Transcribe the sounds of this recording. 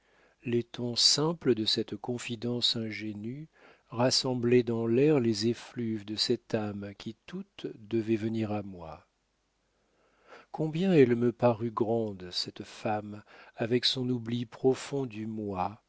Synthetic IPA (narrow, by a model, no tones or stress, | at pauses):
let̪ɔ̃sɛ̃pləd̪əsɛt̪kɔ̃fid̪ɑ̃sɛ̃ʒeny | ʁasɑ̃blɛd̪ɑ̃lɛʁlezeflyvd̪əsɛt̪amkʲʰit̪ut̪d̪əvɛvəniʁamwa | kɔ̃bjɛ̃ɛlməpaʁyɡʁɑ̃d̪sɛt̪famavɛksɔ̃nublipχɔfɔ̃d̪ymwa